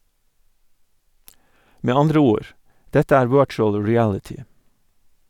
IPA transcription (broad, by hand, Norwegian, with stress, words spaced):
ˈmeː ˈɑndɾə ˈuːɹ ˈdɛtə ˈæːɾ ˈʋɜːt͡ʃʊl ɹɪˈælɪtɪ